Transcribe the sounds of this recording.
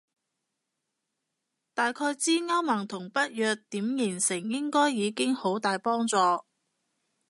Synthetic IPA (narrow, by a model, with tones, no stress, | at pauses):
t̪aː˨jkʰɔː˧jt͡siː˥ŋɐ˥wmɐ˨˩ŋt̪ʰʊ˨˩ŋpɐ˥t̚jœː˨k̚t̪iː˨˥mjɪː˨˩nsɪ˨˩ŋjɪ˥ŋkɔː˥jːiː˨˧kɪ˥ŋho˨˥wt̪aː˨jpɔː˥ŋt͡sɔː˧